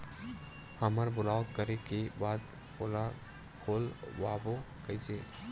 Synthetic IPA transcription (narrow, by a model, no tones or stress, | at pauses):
hɐməɾbʊlaːokəɾekebaːd̪ | ʊla | kʰoːlʋaːbo | kəɪse